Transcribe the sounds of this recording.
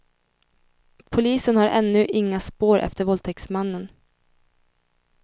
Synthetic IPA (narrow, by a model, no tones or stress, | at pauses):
pʰʊliːsənhaɾʔɛ̰nːɵʔɪŋːaspoːɾʔɛ̰ft̪əɾvɔlt̪ʰɛksmanːən